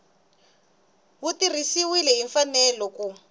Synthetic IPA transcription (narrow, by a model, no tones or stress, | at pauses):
ɦutirisiwilɛɦiɱfanɛlɔku